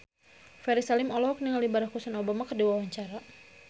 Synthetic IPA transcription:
fɛɾisalimɔlɔɦɔk̚niŋalibaɾakːusanobamakərdiwawaɲt͡ʃaɾa

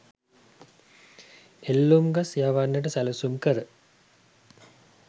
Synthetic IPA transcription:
elːumɡasjaʋanːəʈ̬əsæləsumkəɾə

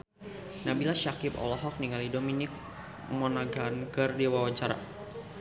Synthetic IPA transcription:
nabilaʃakipɔ̰lɔɦɔk̚niŋalidominɪk̚ | mɔnaɡankɨrdiwawaɲt͡ʃaɾa̰

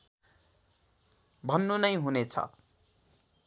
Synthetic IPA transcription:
bʱʌnːunʌjɦunet͡sʰʌ̰

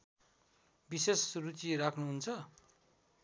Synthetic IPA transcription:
bisesrut͡sirakʰnuɦunt͡sʰʌ

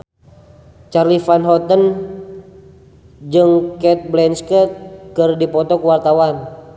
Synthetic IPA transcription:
t͡ʃarlifanɦɔt̪ən | d͡ʒɨŋkɛt̪̚blɛnskət̪̚kɨrdipɔt̪ɔkəwart̪awan

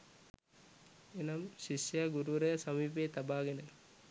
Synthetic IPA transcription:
inɐmɕiʃjɐɡuɾuɾɐjɐsɐmiːpet̪ɐbaːɡɐnɐ

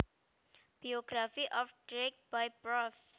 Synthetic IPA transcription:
b̥ioɡ̥ɾafiʔɔfɖ̥ɾɛk̚bajpɾɔf

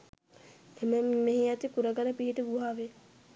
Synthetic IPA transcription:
eməmeɦijat̪ikuɾəɡaɾəpiɦiʈəɡuɦaːʋe

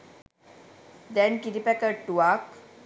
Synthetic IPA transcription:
d̪ɛnkiɾipɛkəʈːuak

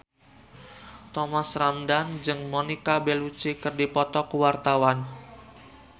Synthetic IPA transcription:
t̪ɔmasramdand͡ʒɨŋmonikabelut͡ʃikɨrdipɔt̪ɔkəwart̪awan

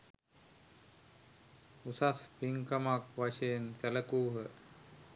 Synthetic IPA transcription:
usaspiŋkamakʋaʃensɛləkuːɦə

